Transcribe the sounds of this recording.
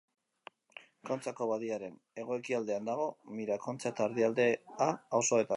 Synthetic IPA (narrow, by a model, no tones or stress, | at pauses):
ko̞nt͡sako̞βaðiaɾe̞n | e̞ɣ̞o̞e̞kiald̪e̞and̪aɣ̞o̞miɾako̞nt͡sat̪aːɾðiald̪e̞aːwso̞e̞t̪a